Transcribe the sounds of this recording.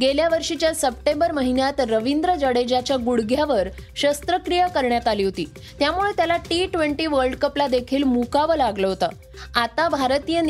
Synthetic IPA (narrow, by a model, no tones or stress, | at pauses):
ɡeljaʋəɾʂit͡ɕjasəp̚ʈembəɾməɦinjat̪ɾəʋind̪ɾəd͡ʑəɽed͡ʑat͡ɕjaɡuɽɡʱjaʋəɾɕəst̪ɾəkɾijəkəɾɳjat̪aliːɦot̪iː | t̪jamuɭet̪jalaʈiʈʋeɳʈiːʋəɾɖkəplad̪ekʰiːlmukaʋəlaɡləɦot̪a | at̪abʱaɾt̪ijən